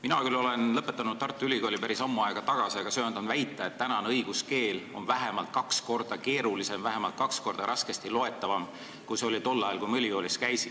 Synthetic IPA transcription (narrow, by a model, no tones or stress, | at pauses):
minɑkylːo̞le̞nlɤpːˑe̞t̪ːˑɑnud̪̚t̪ɑrt̪ːˑuylʲikoːlipæɾisɑmːuɑeɡ̥ɑt̪ɑɡ̥ɑsiɑɡ̥ɑsøønd̪ɑnvæjt̪ːˑɑet̪ːænɑnɤjɡ̥uske̞ːlo̞̰nvæɦe̞mɑlt̪̚kɑksko̞rd̪̥ɑke̞ːɾulise̞mvæɦe̞mɑlt̪̚kɑksko̞rd̪̥ɑɾʔɑske̞st̪ilo̞e̞t̪ːˑɑvɑm | kujseo̞lʲit̪o̞lːɑjɑlkujmɯlʲiko̞ːlʲiskæjsi